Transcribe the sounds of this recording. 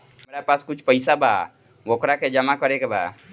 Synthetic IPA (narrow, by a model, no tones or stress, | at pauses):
əmɾapaskut͡ʃʰpəjsabʱa̰ | okɾakʰed͡ʒəmakəɾekebʱa̰